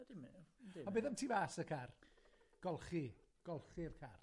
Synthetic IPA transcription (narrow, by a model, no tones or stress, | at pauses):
dɪmiɔbeːðamtʰiːvasəkʰarɡ̥ɔlˠχiɡ̥ɔlˠχirkʰar